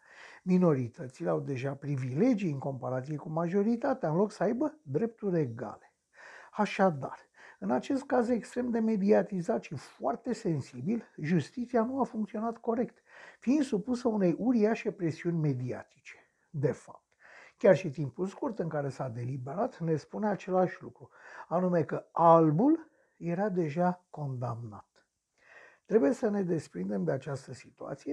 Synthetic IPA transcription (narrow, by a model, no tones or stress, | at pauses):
mino̞ɾit̪ʰət̪sileawd̪e̞ʒapɾivile̞d͡ʒijɨŋko̞mpaɾat̪sije̞kumaʒo̞ɾit̪at̪eaɨnlo̞ksəajbəd̪ɾe̞p̚t̪urʲe̞ɡa̰le̞̥ | aʃad̪a̰r | ɨnat͡ʃe̞st̪̚kaze̞kst̪ɾe̞md̪e̞me̞d̪iat̪izat̪ʃifoa̰rt̪e̞se̞nsibilʒust̪it̪sianuafuŋkt̪sionat̪ko̞ɾe̞k̚t̪fiind̪supusəune̞jʔuɾiaʃe̞pɾe̞siunʲme̞d̪ia̰t̪i̥t͡ʃe̥ | d̪e̞fa̰p̚t̪kʲarʃit̪impulskurt̪ɨŋkaɾe̞sad̪e̞libe̞ɾat̪ne̞spuneat͡ʃe̞laʃʲlukɾuanume̞kəalbul | je̞ɾad̪e̞ʒako̞nd̪a̰mna̰t̪ | t̪ːɾe̞buje̞səne̞d̪e̞spɾind̪e̞md̪eat͡ʃast̪əsit̪ua̰t̪sije